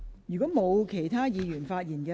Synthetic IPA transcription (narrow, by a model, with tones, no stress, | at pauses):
jyː˨kɔː˨˥mo˨˧wkʰe˨˩jt̪ʰaː˥jiː˨˧jyː˨˩nfaː˧t̚jiː˨˩nkɛ˧